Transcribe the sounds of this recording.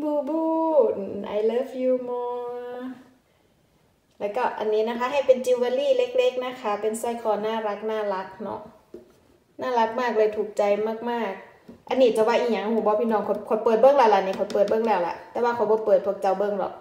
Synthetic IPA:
buː˧buː˧˨nʔa̰˧˩jlɤː˧˥˨fjuː˧mɔː˧ | lɛ˧˩ka˧˩ʔa̰˧˨nːiː˦˥˨na˧kʰa˧˥˨ha˧˩jpe˨nt͡ɕi˧wwaː˧liː˧˥˨le˧˥k̚le˧˦˥k̚na˧˥˨kʰa˧˩pe˨nsaː˧˩jkʰɔː˧˩˨naː˧˥˨la˧k̚naː˧˩˨la˧˦˥k̚nɔ̰˧ʔ | naː˧˥˩la˧˦˥k̚maː˥˩k̚lɤː˧jt̪ʰuː˨˩k̚t͡ɕa˧jmaː˧˩k̚maː˧˥˩k̚ | ʔa˨˧˨nːiː˧˩t͡ɕa˧˦waː˧˨ʔi˧˩ɲa˧˨˧huː˧˩bɔː˧˦pʰiː˧˥˨nɔː˧˨ŋkʰo˧˩kʰo˧˦pɤː˨˩t̪̚bɤ˧˥˨ŋlɛː˧˩wla˧˨niː˧˨kʰo˧˩˦pɤː˨˩t̪̚bɤ˧˥˨ŋlɛː˧˩˨wla̰˧ʔt̪ɛː˧˦waː˧kʰa˨˦wbɔː˧˦pɤː˨˩t̪̚pʰu˧˩ək̚t͡ɕa˧˩˨wbɤ˧˨ŋlɔ̰˧˦

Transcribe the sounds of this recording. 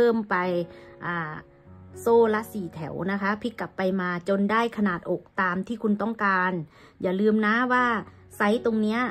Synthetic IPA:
ɤː˧˥˩mpa˧jʔaː˧˩ | soː˧˩la˧˥siː˨˩t̪ʰɛ˨˩˦wna˦˥kʰa˦˥pʰi˦˥kːa˨˩pːa˧jmaː˧t͡ɕo˧ndaː˥˩jkʰa˧naː˨˩t̪̚ʔo˨˩k̚t̪aː˨˧mt̪ʰiː˧˥˩kʰu˧nt̪ɔ˥˩ŋkaː˧n | jaː˨˩lɯː˧mna˧˦˥waː˧˥˩ | sa˧˥˩jt̪o˧ŋni˦˥ɐ

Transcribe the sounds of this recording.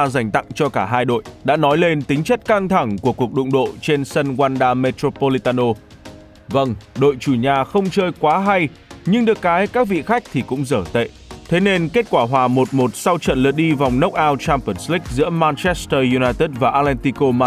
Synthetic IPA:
za˨˩jŋ̟t̪a̰˧˨ŋt͡ɕɔ˧kaː˧˩ɦaː˧jɗo̰˧˨jɗa̰ː˧˥nɔ˨˦jle˧nt̪ï˨˦ŋ̟t͡ɕə˦˥t̚ka˧ŋt̪ʰa˧˩ŋku˧˩əku˨˩ək̚ɗʊ̰˧˨ŋ͡mɗo̰˧˨t͡ɕe˧nsə˧nkwaː˧nɗaː˧me˧t̪ɾo˧po˧li˧t̪aː˧no˧ | və˧nɗo̰˧˨jt͡ɕu˧˩ɲaː˨˩xə˧wŋ͡mt͡ɕəː˧jkwaː˨˦ɦa˧j | ɲɨ˧ŋɗɨ˨˩əkːaː˨˦jkaː˦˥k̚vḭ˧˨xa˦˥jk̟̚t̪ʰi˨˩kʊ̰˧˥ŋ͡mzəː˧˩t̪ḛ˧˨t̪ʰe˨˦ne˧nke˦˥t̚kwaː˧˩ɦwaː˨˩mo˨˩t̚mo˨˩t̚sa˧wt͡ɕə̰˧˨nlɨ˨˩ək̚ɗi˧va˨˩wŋ͡mnə˦˥wk͡p̚ʔaː˧wt͡ɕaː˧mpə˧˩nsli˦˥k̟̚zɨ̰˧˥əmaː˧nt͡ɕɛ˦˥st̪əː˧ju˧naː˧jt̪ə˦˥t̚vaː˨˩ʔaː˧tlɛ˧nt̪i˧ko˧ma˧

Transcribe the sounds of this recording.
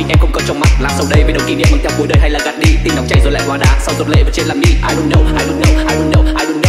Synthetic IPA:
i˨˩ʔɛ˧mkʊ̰˧ŋ͡mkɔ˨˦t͡ɕɔ˧wŋ͡mma˨˩t̚laː˨˩sa˧wɗə˧jvɗə˨˩wŋ͡mki˧˩ɗḭ˧˨mə˨˩t̪ʰɛ˧w̚ŋ͡mku˨˦əjɗəː˧˩jɦa˧jlaː˨˩ɣa˨˩t̚ɗi˧˩t̪i˧˩na˨˦w̚ŋ͡mt͡ɕa˧jzo˨˩la̰ː˧˨hwaː˧˩ɗaː˧˩sa˧wzo˨˩t̚lḛ˧˨vəː˨˦t͡ɕie˧˨laː˨˩mɗḭ˧˥ʔaː˧jlʊ˧ŋ͡mə˨˦˩wʔaː˧jlʊ˧ŋɲə˨˧˩wʔaː˧jlʊ˧˦nɗə˨˧˦wʔaː˧jlu˧ŋɗ

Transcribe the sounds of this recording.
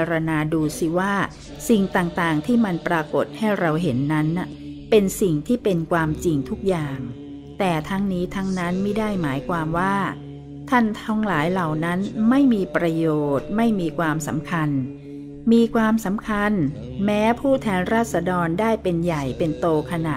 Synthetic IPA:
ɾa˧naː˧duː˧si˨˩waː˥˩ | si˨˩ŋt̪aː˨˩ŋt̪aː˨˩ŋt̪ʰiː˥˩ma˧npɾaː˧ko˨˩t̪̚ha˥˩jɾa˧wɦe˩˦nːa˦˥nːa˨˩ | pe˧nsi˨˩ŋt̪ʰiː˥˩pe˧nkʰwaː˧mt͡ɕi˧ŋt̪ʰu˦˥k̚jaː˨˩ŋ | t̪ɛː˨˩t̪ʰa˦˥ŋniː˦˥t̪ʰa˦˥ŋna˦˥nma˥˩jda˥˩jmaː˩˦jkʰwaː˧mwaː˥˩ | t̪ʰa˥˩nt̪ʰɔ˦˥ŋlaː˩˦jla˨˩wna˦˥nma˥˩jmiː˧pɾa˧joː˨˩t̪̚ma˥˩jmiː˧kʰwaː˧msa̰˩˦mkʰa˧n | miː˧kʰwaː˧msa˩˦mkʰa˧n | mɛː˦˥pʰuː˥˩t̪ʰɛː˧nɾaː˥˩t̪̚sa˧dɔː˧ndaː˥˩jpe˧nja˨˩jpe˧nt̪oː˧kʰa˧naː˨˩

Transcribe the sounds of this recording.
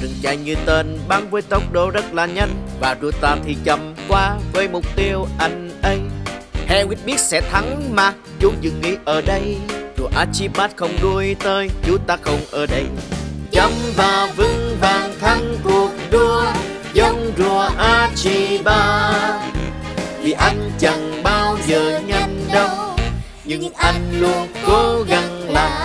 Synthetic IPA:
zɨ˨˩ŋt͡ɕa˧˩jɲɨ˧t̪əː˧˩nɓaː˧ŋvəː˨˦jt̪ə˨˦wk͡p̚ɗo˧˩zə˦˥t̚laː˨˩ɲə˧jŋvaː˨˩zu˨˩ət̪aː˧˩t̪ʰi˨˩t͡ɕə˨˩mkwaː˧vəː˨˦jmʊ˨˩k͡p̚t̪i˧əwʔa˧˩jŋ̟ʔə˧jhɛ̰˧˨wi˦˥ət̚ɓi˦˥ət̚sɛ̰˧˥t̪ʰa˨˦ŋmaː˨˩ | zu˨˦zɨ̰˧˨˩ŋːḭ˧˥ʔəː˧˩ɗə˧jzu˨˩əʔaː˧t͡ɕi˧ɓmaː˦˥t̚xə˧wŋ͡mɗu˧əjt̪əː˧jt͡ɕu˨˦t̪aː˧xə˧wŋ͡mʔəː˧˩ɗə˧jt͡ɕə˨˦mvaː˨˩vɨ˧ŋvaː˨˩ŋt̪ʰa˧ŋku˨˩ək̚ɗɨ˧ə | zə˧wŋ͡mzu˨˩əʔaː˧t͡ɕi˧˩ɓaː˧ | vʰi˨˩ʔa˧jŋ̟t͡ɕa˨˩ŋɓaː˧wzəː˨˩ɲa˧jnɗə˧wŋ͡m | ɲɨ˧ŋʔa˧jŋ̟lu˧ənko˨˦ɣa˧˩nlaː˨˩

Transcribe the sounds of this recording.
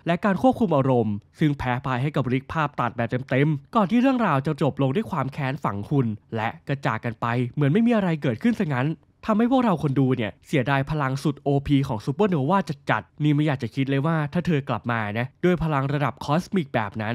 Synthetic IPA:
lɛ˦˥kaː˧nkʰu˥˩əp̚kʰu˧mʔaː˧ɾo˧msɯ˥˩ŋpʰɛː˦˥pʰaː˧jɦa˥˩jka˨˩p̚ɾi˦˥k̚pʰaː˥˩p̚t̪a˨˩t̪̚bɛː˧t̪e˧mt̪e˧mkɔː˨˩nt̪ʰiː˥˩ɾɯ˥˩əŋɾaː˧wt͡ɕa˨˩t͡ɕo˨˩p̚lo˧ŋdu˥˩˨jkʰwaː˧mkʰɛː˦˥nfa˩˦ŋkʰu˧nlɛ˦˥ka˧t͡ɕaː˨˩kːa˧npa˧jmɯ˩˦nma˥˩jmiː˧ʔa˧ɾa˧jkɤː˨˩t̪̚kʰɯ˥˩nsa˧˥˩ŋa˦˥n | t̪ʰa˧mha˥˩jpʰu˥˩k̚ɾa˧wkʰo˧nduː˧ni˥˩ɐsi˨˩˦ədaː˧jpʰa˧la˧ŋsu˨˩t̪̚ʔoː˧pʰiː˧kʰɔː˩˦ŋsu˧˦pɤ˥˩noː˩˦waː˥˩t͡ɕa˨˩t͡ɕa̰˨˩t̪̚niː˥˩ma˧˥˩jaː˨˩k̚t͡ɕa˨˩kʰi˦˥t̪̚lɤː˧jwaː˥˩t̪ʰaː˥˩t̪ʰɤː˧kla̰˨˩p̚maː˧˨˩na˦˥du˥˩əjpʰa˧la˧ŋɾa˧da˨˩p̚kʰɔː˦˥smi˨˩k̚bɛ̰ː˨˩p̚na˦˥n

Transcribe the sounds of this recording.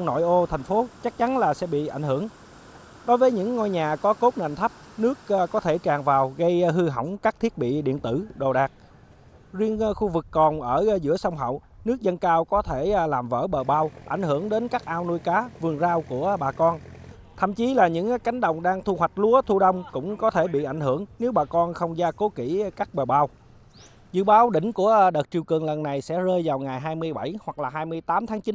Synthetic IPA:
no̰˧˨jʔo˧t̪ʰɛ˨˩ŋ̟fo˨˦t͡ɕa˦˥k̚t͡ɕa˨˦nlaː˨˩sɛ̰˧˥ɓḭ˧˨ʔa˧˩ŋ̟hɨ˧˩əŋ | ɗo˨˦jvəː˨˦jɲɨ̰˧˥ŋːɔ˧jɲaː˨˩kɔ˨˦ko˦˥p̚nə̰ː˧˨nt̪ʰa˦˥p̚nɨ˦˥ək̚kɔ˨˦t̪ʰe˧˩t͡ɕaː˨˩ŋvaː˨˩wɣə˧jɦɨ˧ɦɔ̰˧˩wŋ͡mkaː˦˥k̚t̪ʰi˦˥ət̚ɓḭ˧˨ɗḭ˧˨ənt̪ɨ˧˩ɗo˨˩ɗaː˨˩k̚ | zwi˧ənxu˧vɨ˨˩kːɔ˨˩nʔəː˧˩zɨ̰˧˥əsə˧wŋ͡mɦə̰˧˨w | nɨ˦˥ək̚zə˧nkaː˧wkɔ˨˦t̪ʰe˧˩laː˨˩mvə̰ː˧˩ɓəː˨˩ɓaː˧wʔa˧˩jŋ̟hɨ˧˩əŋɗe˨˦nkaː˦˥k̚ʔaː˧wnu˧jkaː˨˦vɨ˨˩əŋzaː˧wku˧˩əɓaː˨˩kɔ˧n | t̪ʰə̰˧˨mt͡ɕi˨˦laː˨˩ɲɨ̰˧˥ŋka˨˦jŋ̟ɗə̰˧˨wŋ͡mɗaː˧ŋt̪ʰu˧hwa˨˩k̟̚lu˨˦ət̪ʰu˧ɗə˧wŋ͡mkʊ̰˧˥ŋ͡mkɔ˨˦t̪ʰe˧˩ɓḭ˧˨ʔa˧˩jŋ̟hɨ˧˩əŋne˨˦wɓaː˨˩kɔ˧nxə˧wŋ͡mzaː˧ko˨˦ki˧˩kaː˦˥k̚ɓəː˨˩ɓaː˧w | zɨ̰˧˨ɓaː˨˦wɗï˧˩ŋ̟ku˧˩əɗə˨˩t̚t͡ɕi˨˩əwkɨ˨˩əŋlə˨˩nːa˨˩jsɛ̰˧˥zəː˧jvaː˨˩wŋaː˨˩jɦaː˧jmɨ˧əjɓa˧˩jhwa˨˩k̚laː˨˩ɦaː˧jmɨ˧əjt̪aː˨˦mt̪ʰaː˨˦ŋt͡ɕi˨˦n

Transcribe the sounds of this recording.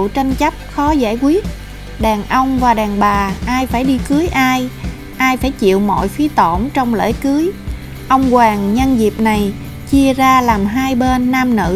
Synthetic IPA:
t͡ɕa˧jŋ̟t͡ɕa˦˥p̚xɔ˨˦za̰ː˧˩jkwi˦˥ət̚ | ɗaː˨˩ŋʔə˧wŋ͡mvaː˨˩ɗaː˨˩ŋɓaː˨˩ʔaː˧jfaː˧˩jɗi˧kɨ˨˦əjʔaː˧j | ʔaː˧jfaː˧˩jt͡ɕḭ˧˨əwmɔ̰˧˨jfi˨˦t̪o˧˩mt͡ɕɔ˧wŋ͡mlḛː˧˥jkɨ˨˦əj | ʔə˧wŋ͡mkwaː˨˩ŋɲə˧nzi˨˩p̚na˨˩j | t͡ɕi˧əzaː˧laː˨˩mɦaː˧jɓe˧nːaː˧mnɨ̰˧˥

